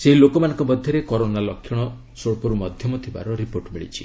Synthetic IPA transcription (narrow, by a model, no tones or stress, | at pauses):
seɦilokɔmanɔŋkɔbɔd̪ʱjɔɾekɔɾonalɔkʰːjiɽ̃ɔ | soɭpɔɾumɔd̪ʱjɔmɔt̪ʰiba̰ɾɔɾipoɾʈmiɭḭt͡ʃʰi̥̰